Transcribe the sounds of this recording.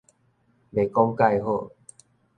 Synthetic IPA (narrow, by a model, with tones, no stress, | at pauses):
be˨˩kɔ˦ŋka˥˧jɦo˥˧˨